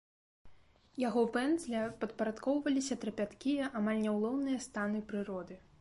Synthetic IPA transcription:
jaɣɔpɛndzlʲɐpɐt̪̚pɐɾat̪kɔwvɐlʲisʲɐt̪ɾɐpʲat̪kʲijɐʔamalʲnʲɛwlˠɔwnɨjɐst̪anɨpɾɨɾɔd̪ɨ

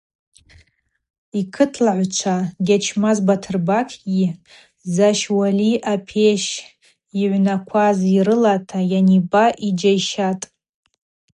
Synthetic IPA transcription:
ikʰɨtʰlaʕʷt͡ʃʷʰaɡʲat͡ʃʰmazbatʰɨrbakʰʼɡʲi | zaʃwaliʔapʰeʃ | iʕʷnakʷʰazirɨlatʰajanibaʔid͡ʒajʃatʼ

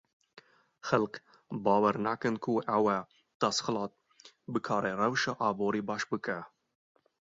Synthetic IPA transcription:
xælq | bɑːwɛɾnækɨnkʰuʔɛwɛ | d̪̥ɑsxɨlɑːt̪̚ | bɨkʰɑːɾɛrɛwʃɑʔɑːboːɾiːbɑːʃbɨkɛ

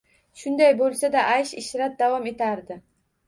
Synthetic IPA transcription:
ʃʊnd̪ajbolˠsad̪aʔajʃɪʃɾat̪̚d̪avɒme̞t̪ʰaɾd̪ɪ

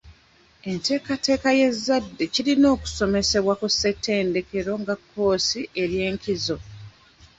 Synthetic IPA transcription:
e̞nte̞ːkate̞ːkaje̞zːadːe̞ciɾino̞ːku̥so̞me̞se̞βwakusːe̞tːe̞ːnde̞ke̞ɾo̞ŋɡakʰːo̞ːsiʔe̞ɾje̞ːŋkizo̞

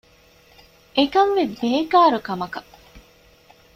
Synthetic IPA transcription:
ekɐnʋebeːkaːɾukɐmɐkɐ

